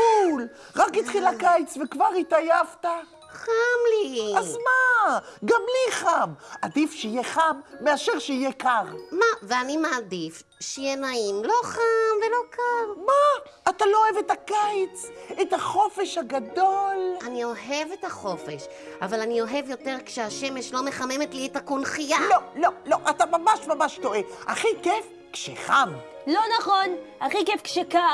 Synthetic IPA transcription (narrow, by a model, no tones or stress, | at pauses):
ul | ʁakit̪χilakajt͡svekvaʁitajavta | χamliazmaɡamliχamad̪ifʃeijeχamːeaʃe̞ʁʃeijekaʁmaveanimaːdif | ʃeijenaimlo̞χamvelo̞kʰavmaː | t̪alooevetakajt͡setaχo̞feʃhaɡad̪olanio̞ɦe̞vetaχo̞fe̞ʃ | avalanio̞ɦe̞vjo̞te̞ʁkʃeaʃe̞meʃlo̞meχame̞metlietakonχijalololoʔatamamaʃmamaʃtoʔeaχikef | kʃḛχam | lo̞naχonaχikefkʃeka